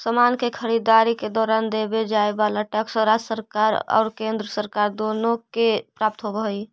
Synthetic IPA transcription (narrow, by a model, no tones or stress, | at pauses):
səmankekʰəɾid̪aɾiked̪ɔːɾand̪ebed͡ʒaebaləʈəksə̃ɾad͡ʒsəɾkaɾɔ̰ːɾkẽnd̪ɾəsəɾkaɾd̪onokepɾap̚t̪ɦobəɦj